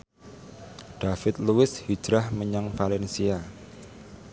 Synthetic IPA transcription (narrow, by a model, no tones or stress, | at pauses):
ɖ̥afɪt̪̚luwɪshi̥d͡ʒ̥ɾahməɲaŋfalɛnsia